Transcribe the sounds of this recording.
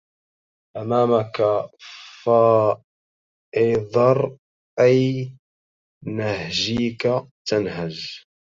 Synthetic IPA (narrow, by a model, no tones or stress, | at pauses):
ʔamaːmakafa | ʔɪðˤɑɾˤ | ʔaj | nahʒiːka | t̪anhaʒ